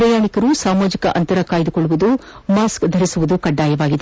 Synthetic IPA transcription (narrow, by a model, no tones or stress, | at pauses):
ɾɐjaːɳikɐɾusaːmaːd͡ʒikɐʔɐnt̪ɐɾɐkaːjd̪ukoɭːuʋud̪u | maːskd̪ʱɐɾisuʋud̪ukɐɖːaːjɐʋaːɡid̪e